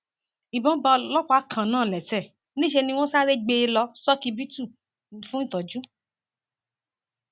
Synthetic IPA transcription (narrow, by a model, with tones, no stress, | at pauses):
i˨bɔ̃˦ba˧lɔ˦k͡pa˨˦kʰã˨nãː˦˨lɛ˨sɛ˦˨ | nĩ˦ʃe˧nĩ˧w̃ɔ̃˦sa˦ɾe˦ɡ͡be˧lɔ˧˦sɔ˦ki˧bi˦tu˦˨ | ñ̩˨fũ˦n̩˦˨tɔ˨d͡ʒu˦